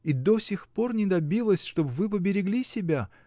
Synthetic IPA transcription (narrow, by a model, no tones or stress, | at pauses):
id̪o̞sʲɪxpo̞rnʲɪd̪ɐbʲilˠəsʲʂt̪o̞bvɨp̬əbʲɪɾʲɪɡlʲisʲɪbʲa